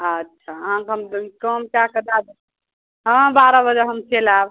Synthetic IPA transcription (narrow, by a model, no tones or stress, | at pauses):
ətːʃʰaɦãkɦəmd̪kəmkjakəd̪ad̪ | ɦə̃baɾəbəd͡ʒəɦəmt͡ʃelab